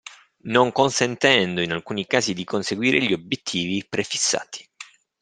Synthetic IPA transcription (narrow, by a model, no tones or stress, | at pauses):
noŋkonsent̪ɛnd̪oinalkuːnikaːzid̪ikonseɡwiːɾʔeʎiobjet̪ʰːiːvipɾefi̥sːa̰ːt̪ʰi̥